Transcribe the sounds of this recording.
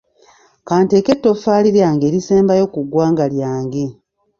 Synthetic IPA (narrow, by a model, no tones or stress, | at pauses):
kaːnte̞ːke̞tːo̞faːliɾjaːŋɡe̞ːɾiseːmbajo̞kuɡwaːŋɡaljaːŋɡe